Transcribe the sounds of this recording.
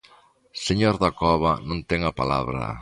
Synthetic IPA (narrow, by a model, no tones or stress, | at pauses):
seɲoɾðakɔβɐnõnt̪ɛŋapala̰βɾɐ̰